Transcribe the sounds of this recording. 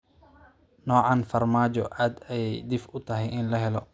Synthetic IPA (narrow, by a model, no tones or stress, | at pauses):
nɔːʕɑnfɐrmaːt͡ʃɔʔaːd̪ɛjd̪ɪfʊt̪ʰɐɦɛjɪnlɐɦɛlɔ